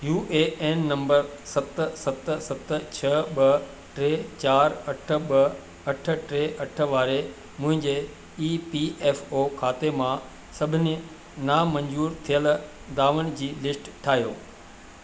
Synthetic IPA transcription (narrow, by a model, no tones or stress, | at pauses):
juːʔeeːnːɐ̃mbəɾsɐt̪sɐt̪sɐt̪t͡ɕʰɐɓɐ | ʈɾeːt͡ɕaːɾɐʈʰə̆ɓɐ | ɐʈʰə̆ʈɾeːʔɐʈʰə̆ʋaːɾe | mʊ̃ɦɪ̃ɲd͡ʑe | iːpieːfoːkʰaːt̪emã | sɐbʱɪne | naːmɐ̃ɲd͡ʑuːɾt̪ʰijəl | d̪aːʋəɽ̃̆d͡ʑiːlɪsʈʈʰaːɦijoː